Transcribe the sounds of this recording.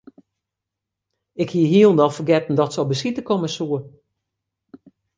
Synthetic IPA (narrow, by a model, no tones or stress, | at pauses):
ɪkhiəɦiəlˠndɔlˠfərɡɛtn̩dɔtsɔwbəsitəkoməsuə